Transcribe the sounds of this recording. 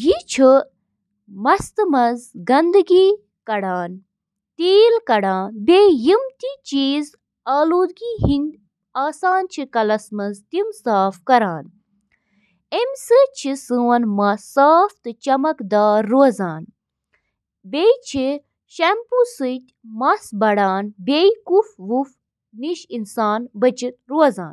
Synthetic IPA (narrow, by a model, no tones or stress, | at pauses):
jit͡ʃʰi | mɐst̪ɨmɐzɡɐnd̪ɨɡiː | kɐɽaːn | t̪iːlkɐɽaːnbeːjimt̪iːt͡ʃiːz | aːluːd̪ɡiːɦinɡ | aːsaːnt͡ʃʰikɐlɐsmɐzt̪imsaːfkɐɾaːn | emʲsɨt͡ʃʰisɨwɐnmɐsaːft̪ɨt͡ʃɐmɐkd̪aːɾːoɐzaːn | beit͡ʃʰi | ʃempusɨt̪ʲmɐsbɐɽaːnbʲeikufʋuf | niʃinsaːnbɐt͡ʃit̪̚ɾoɐza̰ːn